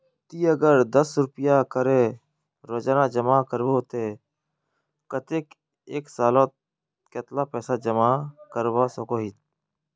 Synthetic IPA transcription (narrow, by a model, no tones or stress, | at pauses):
t̪iːəɡəɾd̪əsɾʊpjakəɾẽ | ɾəd͡ʒnãːd͡ʒəmaːkəɾwot̪e | kət̪ek | eːksaːloːt̪ | ket̪lapɛːsad͡ʒəmaːkəɾwasəkoːɦit̪̚